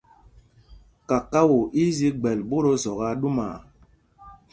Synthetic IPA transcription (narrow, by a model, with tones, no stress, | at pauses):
ka˨ka˦wo˨ʔi˦zi˦ɡ͡bɛ˨lbo˦ɾo˦zɔ˨ɣa˦ɗu˦maː˨